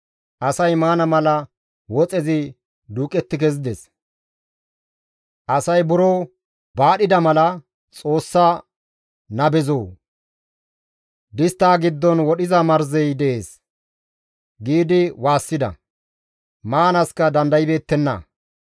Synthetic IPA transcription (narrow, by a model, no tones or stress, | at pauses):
ʔɐsɐjmaːnɐmɐlɐ | wɔt͡sʼɛzɪ | d̪uːkʼɛt̪ːɪkɛzɪd̪ɛs | ʔɐsɐjbʊɾoː | baːɗɪd̪ɐmɐlɐ | t͡sʼo̞ːsːɐ | nɐbɛzoː | d̪ɪst̪ːaːɡɪd̪ːɔnwɔɗɪzɐmɐɾzɛjd̪ɛʔeːs | ɡiːd̪ɪwaːsːɪd̪ɐ̰ | maːnɐskɐd̪ɐnd̪ɐjɪbe̞ːt̪ːɛnːɐ̰